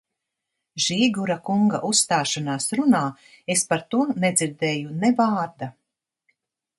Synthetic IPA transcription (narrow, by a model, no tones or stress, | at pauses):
ʒiːɡuɾakuŋɡa̰ʔusst̪aːʃanaːsɾunaː | espaɾt̪uɔnɛd̪ziɾd̪ɛːjunevaːɾd̪a